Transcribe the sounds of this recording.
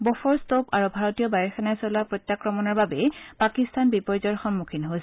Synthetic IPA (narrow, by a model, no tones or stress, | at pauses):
bɔfɔɹstopaɹubʱaɹɔtijɔbajɔɹxʰɛnajsɔlapɹojtjakɹɔmɔnɔɹbabɛpakistanbipɔɹizɔɹxɔmmukʰinɦos